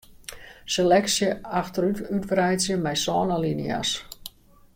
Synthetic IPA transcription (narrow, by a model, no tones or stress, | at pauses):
selɛksjəaxtəɾytytbrɛjsjəmɛjsɔːnalinja̰s